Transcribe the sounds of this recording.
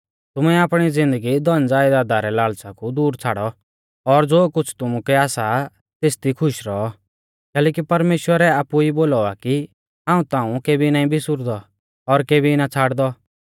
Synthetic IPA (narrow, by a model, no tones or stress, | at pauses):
t̪ʊmɛaːpɽ̃id͡zɪ̃nd̪əɡid̪ɔnd͡zaːjd̪aːd̪aɾɛlaːɭt͡sakud̪uːɾt͡sʰaːɽɔ | ɔɾd͡zoːkʊt͡sʰt̪ʊmukɛaːsa | t̪eːst̪ikʰʊʃɾɔɔ | kɛːlɛːk̬ipɐɾmeːʃwəɾɛaːpuiboːlɔaki | ɦãːũt̪ãːũkeːbinaːĩbʱɪsʊɾd̪ɔ | ɔɾkeːbinat͡sʰaːɽd̪ɔ